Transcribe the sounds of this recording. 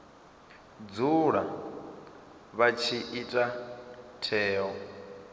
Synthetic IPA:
d͡zuɺa | βat͡ʃʰiʔitʼatʰɛːɦɔ

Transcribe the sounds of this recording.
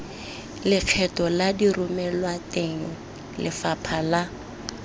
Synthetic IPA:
lɪq͡χʰɛtɔladirʊmɛlwateŋ̩ | lʔɪ̰fapʰala

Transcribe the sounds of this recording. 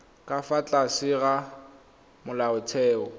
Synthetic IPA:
kʼafat͡ɬʼasɪɣa | mʊlaʊt͡sʰɛːɔ

